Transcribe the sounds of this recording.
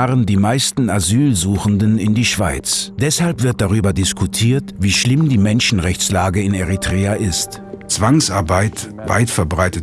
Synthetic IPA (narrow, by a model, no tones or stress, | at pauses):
ʁəndiːmaɪstn̩azyːlzuːxn̩dənɪndiːʃv̥aɪt͡sd̥ɛshalpv̥ɪɐt̚d̥aʁ̞yːbɐdɪskʰutʰiːɐtviːʃlɪmdiːmɛnʃn̩ʁɛçt͡slaːɡəɪneʁitʁ̥ɛːaʔɪst | t͡sv̥aŋsaɐbaɪt | va̰ɪtfɛɐbʁaɪtə